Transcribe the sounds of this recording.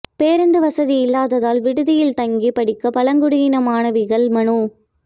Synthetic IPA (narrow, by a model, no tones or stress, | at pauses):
peːɾɯnd̪ɯʋɐsɐðiɪlːaːðɐðaːlʋɪɽɯðɪjɪlt̪ɐŋɡipɐɽɪkːɐpɐlɐŋɡɯɽɪjɪnɐmaːnɐʋɪɣɐɭmɐɳu